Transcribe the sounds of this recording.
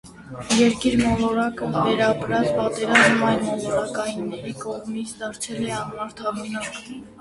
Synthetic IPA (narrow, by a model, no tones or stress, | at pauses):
jɛɾkiɾmɔlɔɾɑkəvɛɾɑpɾɑt͡spɑt̪ɛɾɑzmɑjlmɔlɔɾɑkɑjinːɛɾikɔʁmit͡sʰd̪ɑɾt͡sʰɛlɛɑnmɑɾt̪ʰɑbunɑk